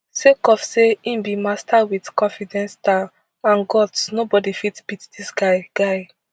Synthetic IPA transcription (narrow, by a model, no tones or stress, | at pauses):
sekɔfseĩmbimastawidkɔ̃nfidɛ̃nsta | ãnɡɔtsnobɔdifitsb̥itdisɡaɪɡ̥aɪ